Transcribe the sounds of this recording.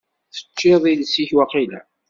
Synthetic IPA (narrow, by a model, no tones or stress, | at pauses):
θə̥t͡ʃːɪðˤilsiçwɑqilæ̰